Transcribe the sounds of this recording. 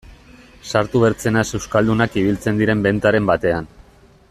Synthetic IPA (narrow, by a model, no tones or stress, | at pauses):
saɾt̪uβe̞ɾt͡se̞nase̞wskald̪unakiβ̞ilt͡se̞nd̪iɾe̞mbe̞nt̪aɾe̞mbat̪e̞an